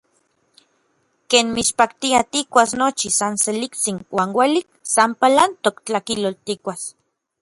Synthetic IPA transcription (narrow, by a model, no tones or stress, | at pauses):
keːnmiʃpakt̪iat̪ikʷasnot͡ʃisanselikt͡sinwaːnweliksampalant̪okt͡ɬakilolt̪ikʷas